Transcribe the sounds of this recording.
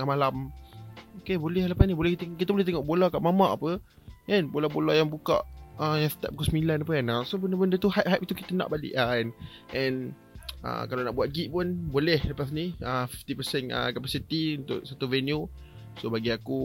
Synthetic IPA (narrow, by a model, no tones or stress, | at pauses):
ŋamalam | okebolɛhlapasnĩbolɛht̪kit̪əbolɛht̪eŋɔʔbolakaʔmamaʔapə | ʔɛnbolabolajaŋbuka̰ʔəjãŋsə̥t̪a̰p̚kosmilanap̬əɛnasobəndəbəndət̪uhaʔ̚ɦap̚it̪uki̥t̪əna̰ʔbalḭʔaɛn | ʔɛ̃n | ə̰kalanaʔbuat̪̚ɡiʔpʊnbolɛhləpas̬niəfift̪ipəsɛnə̰kapasit̪iunt̪ʊ̰ʔ̚sat̪uvɛnju | sobaɡiaku